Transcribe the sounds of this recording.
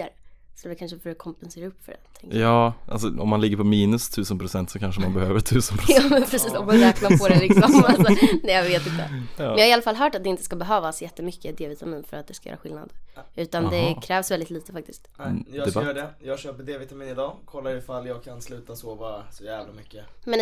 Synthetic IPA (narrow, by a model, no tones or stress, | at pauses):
ɾsɔd̪ɛkʰanʂəfɔɾɛkʰɔmpɛnseːɾaɵpːfœ̰ɾɛt̪ʰɪŋjɑːʔa̰lsɔɔ̰mːanlɪɡːəɾpʰɔmiːnɵst̪ʰʉ̟ːsənpʰɾʊsɛnt̪sɔkʰanʂəmanbɛhøːvəɾt̪ʰʉ̟ːsənpɾʊɑːmɛnpʰɾɛsiːsɔmaɾɛːk̪apʰɔɾɛlɪksɔmalsɔnɛːjaveːt̪ɪnt̪ːəə̰njɑːhaɪalːafalɦœːʈat̪̚d̪ɛɪnt̪ə̥skabɛɦøːvasjɛt̪ːəmʏkʰːəd̪eːvɪt̪amiːnfœɾat̪̚d̪ɛskajœ̰ːɾa̰ɧɪlna̰d̪ʉ̟ːt̪andd̪ɛkʰɾɛːvsvɛld̪ɪt̪liːt̪əfak̚t̪ɪskt̪jɑːɛɖɛjɑːɡɕøːpəɖeːvɪt̪amiːnɪd̪ɑːkʰɔlːaɾɪfalːjɑːɡ̚kʰanslʉ̟ːt̪asoːvɑɾasɔjæːvlamʏkːəmɛn